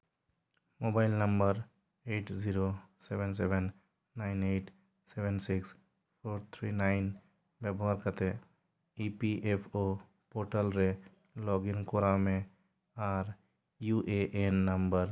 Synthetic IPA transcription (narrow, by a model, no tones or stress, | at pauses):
mobaɪlnəmbəɾ | eːʈziɾoseʋenseʋenː | aɪneːʈ | seʋensɪks | pʰoːɾt̪ʰɾinaɪn | bɛbɔɦaɾkət̪e | ipiʔepʰo | poːɾʈəlɾe | lɔːɡɪnkoɾamẽ | aːɾ | juʔeʔenːəmbəɾ